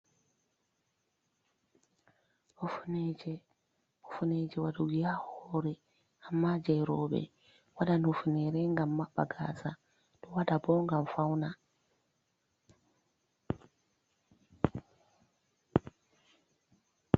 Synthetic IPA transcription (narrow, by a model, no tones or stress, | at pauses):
ofuneɟe | ufuned͡ʒewaduɡiahoɾe | amːad͡ʒeɾobḛ | wadanufuneɾeŋɡamːaɓa̰ɡa̰sa | d̥owadaboŋɡaɱfawna